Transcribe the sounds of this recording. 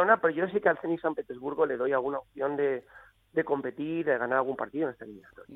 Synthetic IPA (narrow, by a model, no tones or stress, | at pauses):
onapeɾoʝosikealθe̞nisampe̞t̪e̞zβuɾɣo̞le̞ðo̞jalɣunaop̚θjo̞nd̪e̞ | d̪e̞ko̞mpe̞t̪iɾðeɣ̞anaɾalɣumpa̰ɾt̪iðonest̪aeliminat̪o̞ɾja